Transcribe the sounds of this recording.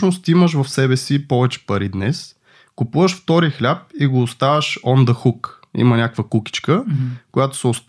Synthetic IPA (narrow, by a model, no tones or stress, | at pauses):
nost̪iməʃ̬vɐfsɛbɛsipɔvɛt͡ʃɛ̥pɐɾid̪nɛs | kʊpuvəʃft̪ɔɾixlʲap̚iɡoːst̪avəʃɔnd̪əxukḭmɐnʲakvəkuki̥t͡ʃkəkʊjat̪o̥səʊs